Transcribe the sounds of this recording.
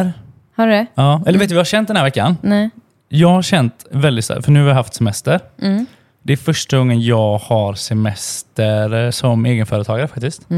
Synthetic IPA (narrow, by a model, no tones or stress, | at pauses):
ɾ | haɖdɛɑːɛləɾveːt̪ːvɪhaɾʂɛnt̪d̪næɾvɛkːa̰nnɛ | jɑːɡhaɾʂɛnt̪vɛld̪ɪt̪sa̰fœɳʉ̟ːhavɪjaɦaft̪sɛmɛst̪əɾ | d̪ɛæɾfœʂʈaɡɔŋːənjɑːɡhaɾsɛmɛst̪əɾsɔmeːɡənfœːɾət̪ʰɑːɡaɾəfak̚t̪ɪskt̪